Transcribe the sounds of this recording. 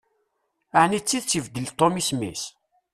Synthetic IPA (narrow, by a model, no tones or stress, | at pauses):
aʕnit͡sːiðt͡sːəvd̪əlt̪ˤːomismḭs